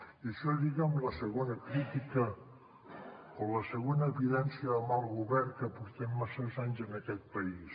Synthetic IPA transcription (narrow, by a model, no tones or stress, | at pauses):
isəʒiɣamləsəɣonəkɾit̪ikə | oləsəɣonəːβiðɛnsiəðəmalˠɣuβɛɾkəpuɾt̪ɛmːasəzaɲzənəkɛt̪̚pəis